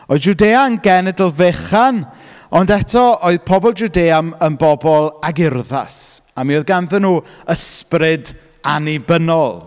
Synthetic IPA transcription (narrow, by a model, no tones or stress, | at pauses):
ɔd͡ʒudeanɡɛnɛdəlˠveχan | ɔndɛtʰɔoɨðpʰɔbɔlˠd͡ʒudeːamənbɔbɔlˠaɡɪrða̰samioðɡanðənuːəsprɪd | anibənɔlˠ